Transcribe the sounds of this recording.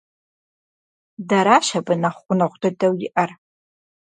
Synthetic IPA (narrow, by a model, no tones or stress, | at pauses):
daɾaʃɐbɨnaχʷʊnɐʁʷdɐdɐwjɪʔɐr